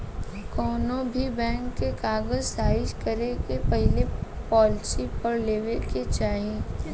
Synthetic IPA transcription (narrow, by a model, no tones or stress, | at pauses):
kɔːnõbʱibɛ̃ːŋkːekaːɡəzsaːɪʃkɐɾeɡepɐɦɪlepɔːlsipɐɾleːʋeket͡ʃaːɦẽ